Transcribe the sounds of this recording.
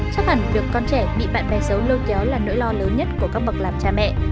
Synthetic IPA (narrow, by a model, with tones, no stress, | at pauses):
t͡ɕa˦˥k̚fa˧˩ŋɗɨ˨˩əkːɔ˧nt͡ɕɛ˧˩ɓḭ˧˨ɓa̰ː˧˨nɓa˨˩jsə˨˦wləː˧t̚za˨˦wlaː˨˩no̰˧˥jlɔ˧ləː˨˦nɲə˦˥t̚ku˧˩əkaː˦˥k̚ɓə˨˩k̚laː˨˩mt͡ɕaː˧mɛ̰˧˨